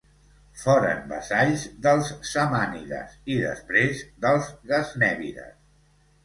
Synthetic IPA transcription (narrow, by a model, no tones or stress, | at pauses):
fɔɾə̰mbə̰saʎzðəlˠzːəmaniðə̰siðə̰spɾezðəlˠzɣəznɛβiɾə̰s